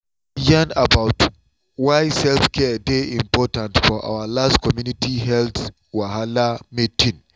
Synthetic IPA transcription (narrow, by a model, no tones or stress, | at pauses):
jãnabaʊt | waɪsɛlfkɛdeĩmpɔtãntfɔʔa̰walastkɔmjunitiɦɛlt | waɦalametʰĩn